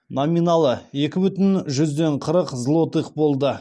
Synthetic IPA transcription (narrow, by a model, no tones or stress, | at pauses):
nominɑlˠəje̞kʲɪbʏt̪ɪnʒʏzd̪e̞ɴqʰəɾəqzlˠo̞t̪iq̚bo̞lˠd̪ə